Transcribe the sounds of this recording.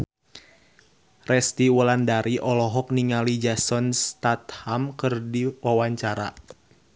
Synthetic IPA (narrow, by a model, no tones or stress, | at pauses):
rɛst̪iwəlandaɾiʔɔlɔɦɔk̚niŋalid͡ʒasɔnst̪at̪hamkɨrdiwawaɲt͡ʃaɾa̰